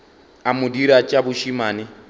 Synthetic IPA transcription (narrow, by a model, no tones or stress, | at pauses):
amudiɾat͡ʃʼaβuʃimaːni